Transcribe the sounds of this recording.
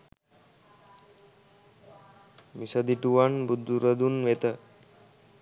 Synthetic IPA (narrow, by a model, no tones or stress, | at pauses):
misad̪iʈuʋanbud̪ːuɾəd̪unʋet̪ə